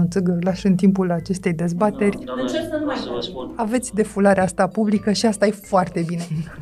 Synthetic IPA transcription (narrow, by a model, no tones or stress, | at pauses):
unt̪sɨɡəlaʃɨnt̪impulat͡ʃe̞st̪e̞jd̪e̞zbat̪e̞rʲɨnt͡ʃeɾsənumajtoave̞t̪sʲd̪e̞fulaɾeast̪apublikəʃiast̪ajefoart̪e̞binen